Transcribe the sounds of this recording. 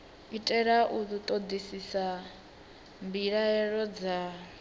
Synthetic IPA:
itʼɛɺaʔud̪ut̪ʼɔd̪isisa | mbiɺaɛɺɔd͡za

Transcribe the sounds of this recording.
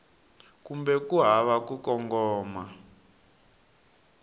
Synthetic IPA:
kumbɛkuɦaβakukɔŋɡɔːma

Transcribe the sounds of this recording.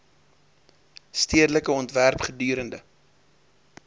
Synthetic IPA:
stiədələkəɔntværpχədyːɾəndə

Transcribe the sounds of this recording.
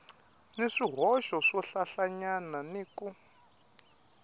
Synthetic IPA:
neʂiɦɔʃɔʂɔɬaɬaɲananeːku

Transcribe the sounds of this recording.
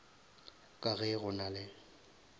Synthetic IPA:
kʼaɣɛɣʊnalɪ

